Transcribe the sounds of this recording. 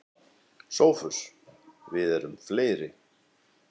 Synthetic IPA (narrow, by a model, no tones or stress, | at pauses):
soːwfʏsvɪðɛɾʏmfleːjɾɪ